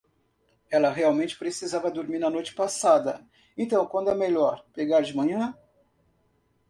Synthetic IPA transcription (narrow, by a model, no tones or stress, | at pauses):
ɛlɐɦeawmẽnt͡ʃɪ̥pɾesizavɐd̪oɾmiɾnɐnojt͡ʃɪ̥pasad̪ɐ | ẽnt̪ɐ̃w̃kwɐ̃d̪ʊɛmeʎɔɾpeɡaɾd͡ʒɪmɐ̃ɲɐ̃